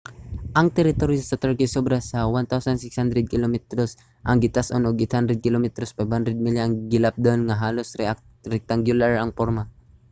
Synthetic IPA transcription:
ʔɐŋt̪ɛɾɪt̪oɾjosɐt̪ɛɹkisobɾasɐwant̪awsansɪkshand̪ɾɛd̪̚kɪlomɛt̪ɾos | ʔɐŋɡɪt̪asʔonoɡɪt̪hand̪ɾɛd̪̚kɪlomɛt̪ɾospajb̚hand̪ɾɛd̪̚miljoɐŋɡɪlap̚d̪onŋaɦaːlosɾɛa | ɾɛk̚t̪aŋɡjʊlaɹɐŋpoɾma

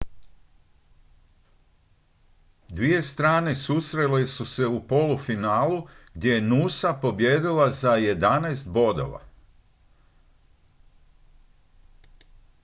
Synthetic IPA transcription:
d̪ʋije̞st̪ɾaːne̞susɾe̞le̞suse̞upo̞lufinaːluɡ̥d̪je̞jenuːsapo̞bje̞ːd̪ilazaje̞d̪anaest̪̚bo̞d̪o̰ʋa̰

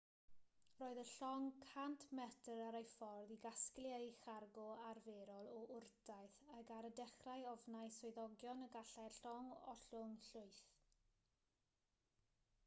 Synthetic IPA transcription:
roːɨðəɬɔŋkʰantʰmɛtəɾaɾajfɔrðiɡasklˠjajχarɡɔarveːɾɔlˠɔʔʊrdajθəɡaɾədɛχrajɔvnajsɔɨðɔɡjɔnəɡaɬɛɬɔŋɔ̰ɬʊŋɬʊɨθ

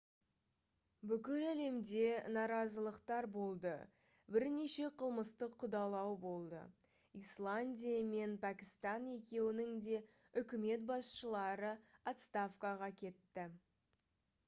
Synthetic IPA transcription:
bʏkʲɪlæle̞md̪e̞nɑɾɑzəlˠəqt̪ɑɾbo̞lˠd̪ə | bɪɾne̞ʃe̞qʰəlˠməst̪əqʰːʊd̪ɑlˠɑwbo̞lˠd̪ə̰ | islˠanʲdʲijame̞npʰækʲɪ̥st̪ɑne̞kʲe̞wɪnɪŋd̪e̞ | ʏkʲɪme̞t̪̚bɑsʃəlˠɑɾəat̪st̪afkaʁɑkʲʰe̞t̪ːɪ

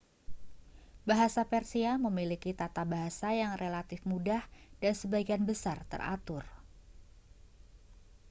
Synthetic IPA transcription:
baɦasapɛrsiaməmilikit̪at̪abaɦasajaŋrʔelat̪ɪfmudahdansəbaiɡianbəsart̪ə̰ra̰t̪ʊr

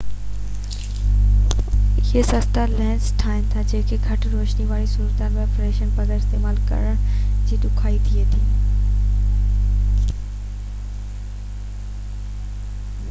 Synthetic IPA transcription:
ɪɦesɐst̪alɛ̃ːsʈʰaːɪn̆t̪ʰad͡ʑeːkʰeɡʱɐʈɾoːʃniʋaːɾisuːɾət̪aːnʋefɾeːʃənpɐɡəɾɪst̪eːmaːlkɐ̰ɾəɽ̃d͡ʑiːɗʊkʰaːit̪ʰiet̪ʰiː

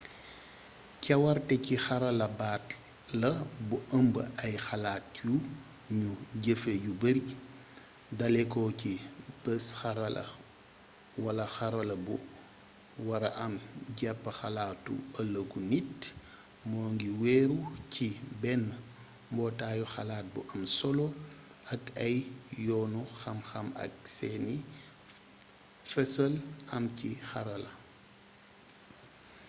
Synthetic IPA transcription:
cɐwɐɾtɛcixɐɾɐlɐbaːt | lɐbuʔəmbəɐjxɐlaːt̚ju | ɲuɟəfejubɐɾi | dɐlɛkɔːcipɛsxɐɾɐlɐ̰ | wɐlɐxɐɾɐlɐbu | wɐɾɐʔɐmɟɛpːɐxɐlaːtːṵɐlɐɡunit | mɔːŋɡiwɛːɾucʰibɛn | mbɔːtaːjuxɐlaːt̚buʔɐmsɔlɔ | ɐkɐjːɔːnuxɐmxɐmɐ̰ksɛni | fɛsɐlɐmcixɐɾɐlɐ

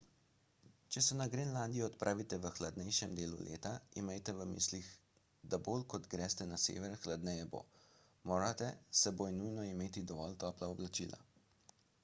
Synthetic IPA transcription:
t͡ʃɛsɛnaɡɾenlaːnd̪ijɔːt̪pɾʔaːʋit̪ɛʋəxlad̪nɛjʃɛmd̪eːlṵlḛːt̪aimɛjt̪ɛʋəmḭːslix | d̪aboːlkɔt̪ɡɾɛst̪ɛnasḛːʋɛɾxlad̪nɛjɛbo̰ | moːɾat̪ɛsɛbojnujnɔimeːt̪id̪ɔʋɔlt̪ɔːplaɔblat͡ʃḭːlʔa̰

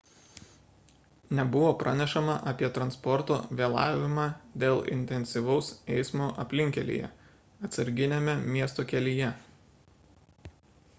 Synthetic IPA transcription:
nʲɛbʊʋoːpɾʔɑnʲɛʃɐmɐʔɐpʲiɛt̪ɾɐnspɔɾt̪o̰ːʋʲeːlˠɑ̰ːʋʲɪmɑːd̪ʲeːlˠɪ̰nʲt̪ʲɛnʲsʲiʋɒʊsɛɪsmoːʔɐpʲlʲɪŋʲkʲɛlʲḭːjɛ̰ | ɐt̪sɐɾʲɡʲɪnʲemʲɛmʲiɛst̪oːkʲɛlʲɪjɛ

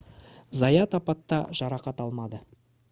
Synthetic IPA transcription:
zɑjɑt̪ɑpɑt̪ːɑ̰ʒ̥ɑɾɑqɑt̪ɑlˠmɑd̪ə

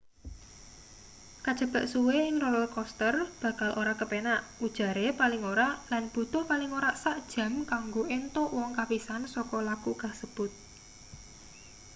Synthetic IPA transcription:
kad̥ʒ̥ə̤b̥a̤ʔsuweɪŋrɔləlkɔst̪ərb̥ä̤kalʔoɾakəpenaʔud̥ʒ̥a̤ɾepalɪŋoɾaʔlanb̥ṳt̪ʊhpalɪŋoɾaʔsaʔd̥ʒ̥ä̤mkaŋɡoʔent̪ʊʔwɔŋkapisansɔkɔlakukasəb̥ʊt̪̚

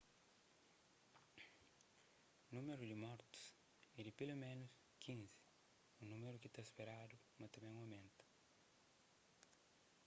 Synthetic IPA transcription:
nũmeɾud̪ɪmɔɾt̪u̥s | ɛd̪ɪpelomẽnus | kʰĩnzɪ̥ | unũmeɾʊkit̪aspeɾad̪u | mɐt̪ɐmẽŋawmẽnt̪ɐ̥

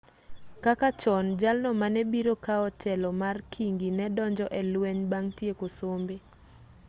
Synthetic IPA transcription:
kakat͡ʃɔnd͡ʒalnɔmanɛbiɾokaɔtɛlɔmarkʰiŋɡinɛdɔɲd͡ʒɔʔɛlwɛɲbaŋtiekosombe

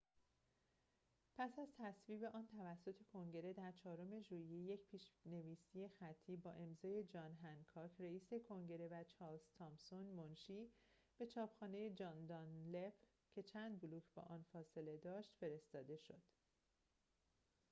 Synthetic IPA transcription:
pʰæsæzt̪ʰæsviːbe̞ʔɒːnt̪ʰævæsːo̞t̪ʰe̞kʰo̞ŋɟe̞ɾe̞d̪æɾt͡ʃʰɒːɾome̞ʒuːijeje̞cpʰiːʃne̞viːsije̞xæt̪ʰːiːbɒːʔe̞mzɒːje̞d͡ʒɒːnɦænkʰɒːcʰreiːse̞kʰo̞ŋɟe̞ɾe̞væt͡ʃʰɒːɾlz̥t̪ʰɒmpsonmonʃiː | b̥e̞t͡ʃʰɒːpxɒːne̞je̞d͡ʒɒːnd̪ɒnle̞f | cʰe̞t͡ʃʰænd̪̚boluːcʰbɒ̰ːʔɒːnfɒːse̞le̞d̪ɒːʃt̪fe̞ɾe̞st̪ɒːd̪e̞ʃo̞d̪̥

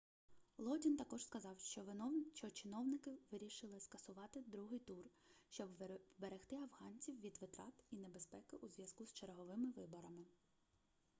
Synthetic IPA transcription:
lˠɔdʲint̪ɐkɔʒ̥skɐzɑwʃt͡ʃɔt͡ʃɔt͡ʃɪnɔwnɪkɪʋɪɾʲiʃɪlˠɪskɐsʊʋɑt̪ɪd̪ɾuɦɪjt̪urʃt͡ʃɔbbeɾext̪ɪɐwɦɑnʲt͡sʲiwʋʲid̪ʋɪt̪ɾɑt̪inebespɛkɪʔuzʋjɐzkust͡ʃeɾɦɔʋɪmɪʋɪbɔɾɐmɪ

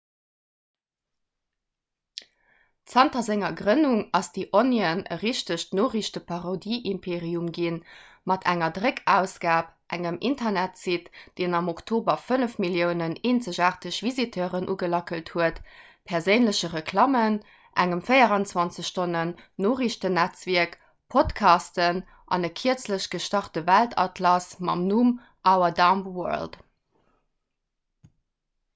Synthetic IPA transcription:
t͡sɑntɐzɪŋɐɡʁənuŋɑsd̥iʔoniənə̰ʁiʃtəɕtnoːʁiɕtəpʰɑʁodiːʔimpʰeːʁiumɡin | mɑtʰæŋɐdʁəkʰæːʊsɡ̥aːpʔæŋəmʔintʰɐnætsitd̥eːnɑmoktʰoːbɐfənəfmiljəʊnəneːnt͡səʑaːʁtəɕv̥izitʰəːʁənʔṵːɡəlɑkəlthuətpʰɛɐʁzəɪnləɕəʁəkʰlɑmən | ʔæŋəmfəɪɐʁɑnt͡swɑnt͡səɕʃtonənːoːʁiɕtənæt͡sviɐk | pʰotkʰɑːstən | ʔɑ̰nəkʰiət͡sləɕɡ̥əʃtɑχtəvæltʰɑ̰tʰlɑsmɑ̰mnum | ʔaʊɐdɑmwœ̰lt

